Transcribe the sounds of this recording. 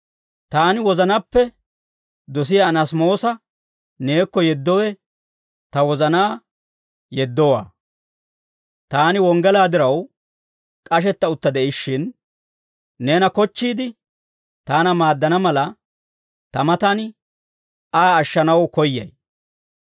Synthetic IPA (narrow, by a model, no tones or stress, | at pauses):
t̪aːnɪwɔzɐnɐpːɛ | d̪ɔs̬ɪjanɐsmo̞ːsɐ | ne̞ːkːɔjɛd̪ːɔwɛ | t̪ɐwɔzɐnaː | jɛd̪ːɔwa̰ː | t̪aːnɪwɔŋɡɛlaːd̪ɪɾɐw | kʼɐʃ̬ɛt̪ːɐʊt̪ːɐd̪ɛʔɪʃːɪn | e̞ːnɐkɔt͡ʃːiːd̪ɪ | t̪aːnɐmaːd̪ːɐnɐmɐlɐ | t̪ɐmɐt̪ɐn | aːʃːɐnɐwkɔjːɐ̰j